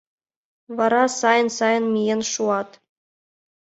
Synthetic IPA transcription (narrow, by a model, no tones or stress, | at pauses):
ʋɑɾɑsɑjɤ̆nsɑjɤ̆nmʲijenʂuɑt̪